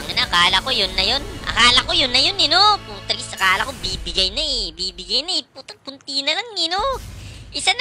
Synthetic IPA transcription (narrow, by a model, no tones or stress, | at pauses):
ŋɐnɐʔɐkaːlɐko̞jonːɐjo̞nʔɐ̰kaːlɐko̞jonːɐjonɛno̞pʊt̪ɾsʔɐkaːlɐkobiːbɪɡɐjnɐɛbiːbɪɡɐjnɐɛput̪ɐpʊnt̪iːnɐlɐŋɪnoʔɪsan